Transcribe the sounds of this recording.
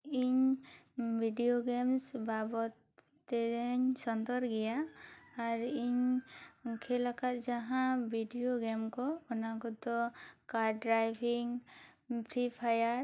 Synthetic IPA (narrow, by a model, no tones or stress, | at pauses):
iɲ | bʱiɖijoɡɛmsbabɔt̪ː | ɛɛɲsɔnt̪ɔɾɡɛjaː | ɾiɲ | kʰɛlakat̪̚d͡ʒaɦãbʱiɖijoɡɛmkɔɔnakɔd̪ɔkaɾɖɾajbʰʱiŋ | pʰɾipʰajaɾ